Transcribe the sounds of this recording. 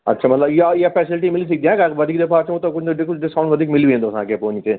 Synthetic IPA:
ɐ̰tːʃʰamɐt̪ləbjejepɛːsɪlʈ̬imɪlis̬ik̚d̪iãkaʋɐd̪ʱiːkd̪epaːt͡ʃʰõt̪okʊt͡ʃʰneɖkɖɪskaːɳʋɐd̪ʱikmɪlʋiẽd̪oːsã̰ːkepoːnite

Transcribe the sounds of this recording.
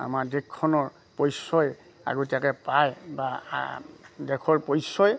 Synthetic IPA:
a̰maɹdɛkʰːɔnɔɹ | pɔjsɔj | a̰ɡotiakɛpajba̰ | dɛkʰɔɹpɔjsɔj

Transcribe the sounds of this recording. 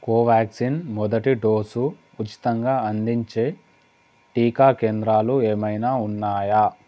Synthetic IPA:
koːʋaːksinmɔd̪ɐʈiɖo̞ːsu | ut͡ʃi̥t̪ɐŋɡaːɐnd̪iɲt͡ʃeː | ʈiːkaːkeːnd̪ɾaːlueːmɐjnaːunːaːja

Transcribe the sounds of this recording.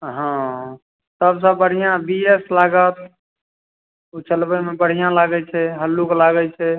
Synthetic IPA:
ɦã | səbs̬ə̃bəɽ̤ijãbieslaɡət̪ | ut͡ʃʰəlbəmebəɽ̤ijãlaɡɛt͡ʃʰɛɦəlːuklaɡət͡ʃʰɛ

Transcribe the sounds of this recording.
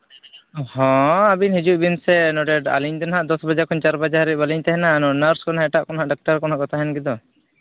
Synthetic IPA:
ɔhɔ̃abinhid͡ʒuʔ̚binsɛnɔɖɛɖa̰liɲd̪ɔnɦaʔd̪ɔsbad͡ʒaɾkʰɔnt͡ʃaɾbad͡ʒaɾit̚baliɲt̪ɛɦɛnanɔnaɾskɔnɦaʔɛʈaʔkɔnɦaʔɖɔk̚ʈaɾkɔnɦaʔɡɔt̪ʰaɦɛnɡid̪ɔ

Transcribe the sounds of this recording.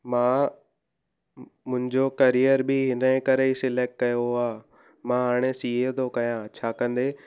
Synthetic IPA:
mãː | mʊ̃ɦɪ̃ɲd͡ʑokɐɾijəɾbʱɪɦɪnəẽkɐɾeisɪleːk̚ʈ̚kɐjoaː | mãɦaːɽ̃esiːɦet̪ʰokɐjãːt͡ɕʰaːkɐ̃nd̪eː

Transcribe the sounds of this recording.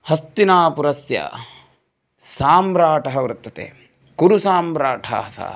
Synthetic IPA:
hɐst̪inaːpuɾɐsjɐ̰ | saːmɾaːʈɐɦɐʋɾɐt̪ːɐt̪ḛː | kuɾusaːmbɾaːʈʰa̰ɦɐsa̰

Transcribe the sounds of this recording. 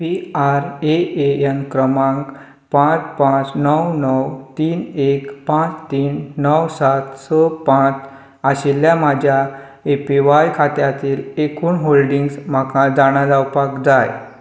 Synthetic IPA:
piaɾeeənkɾəmãŋk | pãt͡spãt͡snəwnəwt̪iːnekpãt͡st̪iːnːəwsat̪səpãt͡s | aɕeljamad͡ʑʱja | epiʋajkʰat̪jat̪iːlekuːnɦolɖiŋɡsm̤akʰad͡zaɽ̃ad͡zawpakd͡zaj

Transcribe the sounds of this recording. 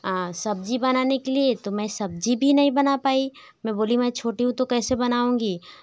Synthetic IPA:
asɐb̚d͡ʒibɐnaːnekeliet̪omɛ̃ːsɐb̚d͡ʒibʱinɐɦĩbɐnapaːi | mɛ̃boːlĩmɛ̃ːt͡ʃʰoːʈiɦũt̪okɛːsebɐnaːũːɡiː

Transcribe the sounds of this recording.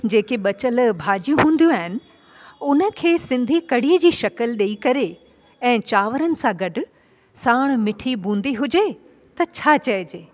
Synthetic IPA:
d͡ʑeːkeɓɐt͡ɕəlbʱaːd͡ʑijũɦũːn̆d̪ijũaːɦɪnɪ̆ | ʊnə̆kʰeːsɪ̃nd̪ʱikɐɽ̤iːəd͡ʑiːʃɐkəlɗeikɐɾe | ɛ̃ːt͡ɕaːʋəɾənɪ̆sãɡɐɖʱʊ | saːɽ̃mɪʈʰibũːn̆d̪iɦʊd͡ʑe | t̪ɐt͡ɕʰaːt͡ɕɐɪd͡ʑeː

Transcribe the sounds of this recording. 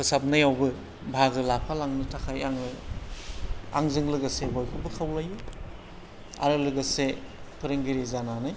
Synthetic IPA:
pʰɯsap̚najawbɯ | bʱaɡɯlapʰalaŋnɯtʰakʰajaŋɯ | a̰ŋzɯŋlɯɡasebɔjkʰɯbɯkʰawlaji | a̰ɾɯlɯɡasepʰɯɾɯŋɡiɾizananɯj

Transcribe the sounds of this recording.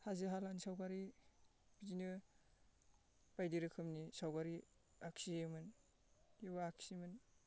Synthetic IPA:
haziɦalansawɡaɾi | bidinɯ | b̥ajdiɾɯkʰɯmnisawɡaɾi | aksiemɯn | jibaakʰsimɯn

